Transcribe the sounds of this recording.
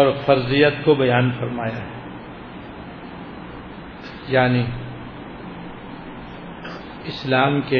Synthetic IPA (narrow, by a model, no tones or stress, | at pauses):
ɔːɾfɐɾzijət̪kobɐjaːnfɐɾmaːjaɦɛ | jaːni | ɪslaːmke